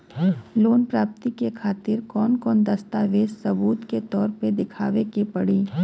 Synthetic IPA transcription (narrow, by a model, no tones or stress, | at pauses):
loːnpɾaːp̚t̪ikekʰaːt̪ɪɾkɔːnkɔːnd̪ɐst̪aːʋeːssɐbuːt̪ket̪ɔːɾped̪ɪkʰa̰ːʋekepɐɽiː